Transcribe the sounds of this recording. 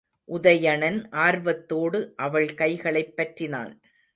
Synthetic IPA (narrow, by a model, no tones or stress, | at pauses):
ʔʊðɐjɐɳɐnʔaːɾʋɐt̪ːoːɽɯʔɐʋɐɭkɐɪɣɐɭɐɪpːɐʈrɪna̰ːn